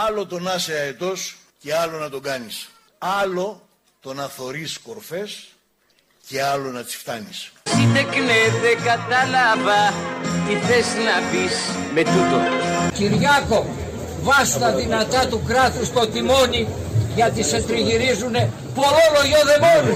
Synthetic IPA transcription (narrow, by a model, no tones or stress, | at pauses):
ɐlo̞t̪o̞nɐseɐet̪o̞sce̞ɐlo̞nɐt̪o̞ɡɐnis | ɐlo̞ | t̪o̞nɐθo̞ɾisko̞ɾfe̞s | ce̞ɐlo̞nɐt̪i̥sft̪ɐnissid̪eknet̪ekɐt̪ɐlɐvɐt̪iθeznɐpisme̞t̪ut̪ociɾʝɐko̞ | vɐst̪ɐðinɐt̪ɐt̪ukɾɐt̪ust̪o̞t̪imo̞ni | ʝɐt̪ise̞t̪ɾiʝiɾizune̞ | po̞lo̞lo̞ʝoðe̞moni